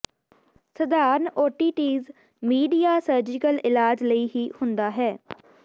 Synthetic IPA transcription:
səd̪aːɾnʔoːʈiːʈiːz | miːɖijaːsəɾd͡ʒɪkəlɪlaːd͡ʒləiːɦiːhʊnd̪aːɦɛː

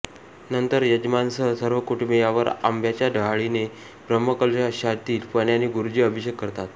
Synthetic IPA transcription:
nənt̪əɾjəd͡ʑmansəsəɾʋəkuʈʰmejaʋəɾa̰mbʱjat͡ɕjadʱəɦaɭine | bɾəmːəkəlʂaɕaɾt̪iːlpəɳjaniɡuɾud͡ʑiːəbʱiɕjəkːəɾt̪at̪

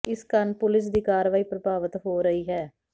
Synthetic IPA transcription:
ɪskənpʊlɪs̬d̪iːkaːɾʋaːiːpɾəbʱaːʋət̪ɦoːɾəiːɦɛː

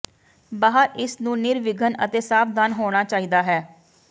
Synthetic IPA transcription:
baːɦəɾɪsnũːnɪɾʋɪɡʱənə̰t̪eːsaːpd̪aːnɦoːɽ̃aːt͡ʃaːiːd̪aːɦɛː

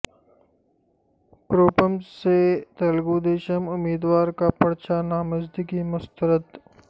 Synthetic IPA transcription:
kɾoːpəmset̪ɐlɡoːd̪eːʃəmʊmiːd̪waːɾkapɐɽt͡ʃanaːmɐzd̪ikimʊst̪əɾət̪

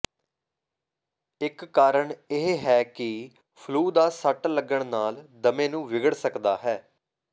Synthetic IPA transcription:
ɪkːaːɾəɳeɦeːɦɛːkɪ | pʰluːd̪aːsəʈləɡəɳnaːld̪əmẽːnũːʋɪɡəɽsəkd̪aːɦɛː

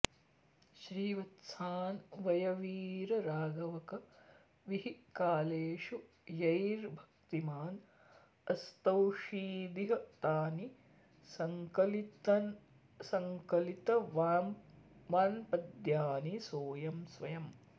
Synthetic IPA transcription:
ʃɾiːʋɐt̪sʰaːnʋɐjɐʋiːɾɐɾaːɡɐʋɐkɐ | ʋiɦikaːleːʂu | jɐjɾbʱɐ̥k̚t̪imaːn | ɐst̪ɐwʂiːd̪iɦɐt̪aːni | sɐŋkɐlt̪n | sɐŋkɐlit̪ɐ | ʋaːnpɐd̪jaːnisoːjɐmsʋɐjɐm

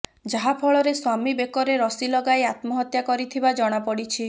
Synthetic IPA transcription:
d͡ʒaɦapʰɔɭɔɾeswamibekɔɾeɾɔsilɔɡaeat̪mɔɦɔt̪jakɔɾit̪ʰibad͡ʒɔɽ̃apɔɽit͡ʃʰi

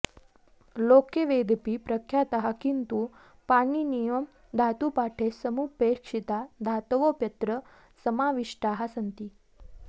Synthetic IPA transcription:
lokeʋed̪ʱpipɾəkʰjat̪əɦakint̪u | paninijəm | d̪ʱat̪upaʈʰesəmupekʂit̪ad̪ʱat̪ʋopjət̪ɾə | səmaʋiʂʈaɦasənt̪iː

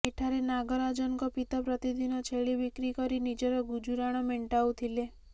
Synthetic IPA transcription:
eʈʰaɾenaɡɔɾad͡ʒɔnkɔpit̪apɾɔt̪id̪ʱinɔt͡ʃʰeɭibikɾikɔɾinid͡ʒɔɾɔɡud͡ʒuɾaɽ̃ɔmeɳʈawt̪ʰile

